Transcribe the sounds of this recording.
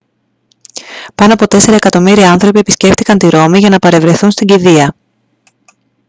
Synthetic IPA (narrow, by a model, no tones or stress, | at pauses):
pɐno̞ɐpo̞t̪e̞se̞ɾɐekɐt̪o̞miɾiɐɐnθɾo̞pie̞pisce̞ft̪ikɐnt̪iɾo̞miʝɐnɐpɐɾe̞vɾe̞θunst̪iɟiðiɐ